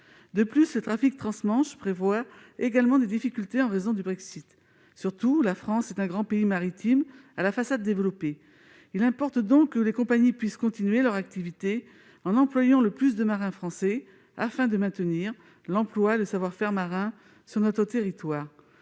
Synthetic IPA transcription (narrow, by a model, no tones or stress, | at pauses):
d̪əplyslət̪χafik̚t̪χɑ̃smɑ̃ʃpχevwaeɡalmɑ̃d̪ed̪ifikʲylt̪eɑ̃ʁezɔ̃d̪ybʁɛksit̪ | syʁt̪ulafχɑ̃sɛt̪ɛ̃ɡʁɑ̃peimaʁit̪ʰimalafasad̪ːevlɔpe | ilɛ̃pɔʁt̪d̪ɔ̃kːəlekɔ̃paɲipɥiskɔ̃t̪inɥelœʁak̚t̪ivit̪e | ɑ̃nɑ̃plwajɑ̃ləplys̬d̪əmaʁɛ̃fχɑ̃sɛ | a̰fɛ̃d̪əmɛ̃t̪əniʁ | lɑ̃plwaeləsavwaʁfɛʁmaʁɛ̃ | syʁnɔt̪χət̪eʁit̪waːʁ